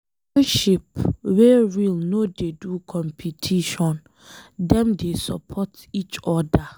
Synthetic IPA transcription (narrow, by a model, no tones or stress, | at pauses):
ɛnʃipweɹilnodedukʰɔ̃mpʰitʰiʃɔ̃n | dɛ̃mdesɔpʰɔtit͡ʃɔda